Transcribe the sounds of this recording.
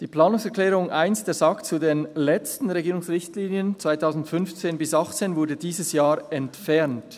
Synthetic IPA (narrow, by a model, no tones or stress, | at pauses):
d̥iːplaːnʊŋsɛɐklɛːʁʊŋʔaɪnsd̥eːɐzɑkt͡sudeːnlɛt͡stn̩ʁeɡiːʁʊŋsʁɪçtliːnjənt͡sv̥aɪtʰaʊzn̩tfʏnft͡seːnbɪsɑχt͡seːnvʊɐdədiːzəsjaːɾɛntfɛʁnt